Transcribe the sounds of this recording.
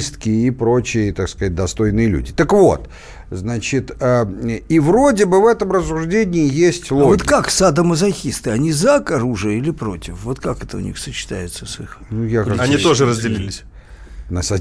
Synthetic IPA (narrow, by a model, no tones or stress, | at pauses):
st̪kʲɪipɾo̞t͡ɕɪjət̪akskɐzat̚ʲd̪ɐst̪o̞jnɨjəlʲṵdʲɪt̪əkvo̞̰t̪ | znat͡ɕɪt̪əəivro̞dʲɪbɨvɛt̪əmrəs̬ːʊʐdʲenʲɪɪjesʲtʲlˠvoot̪kaksad̪əməzɐxʲist̪ɨɐnʲizakɐɾuʐɨjəilʲɪpɾo̞tʲɪfvo̞t̪kakɛt̪əʊ̰nʲḭxsət͡ɕɪ̥t̪a̰jɪt̪səsɨxnujakanʲit̪o̞ʐɨɾəzʲdʲɪlʲilʲɪsʲ | nəsɐ